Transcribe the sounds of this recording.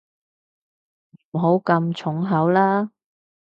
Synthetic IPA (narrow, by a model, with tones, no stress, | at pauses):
ɦo˨˥wkɐ˧mt͡sʰʊ˨˥ŋɦɐ˨˥wlaː˥